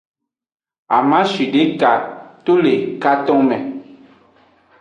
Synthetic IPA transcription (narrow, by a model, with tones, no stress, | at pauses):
a̰˨mã˦ʃi˨ɖe˦ka˨t̪o˦le˨ka˦t̪ɔ̃˦ŋmɛ̃˨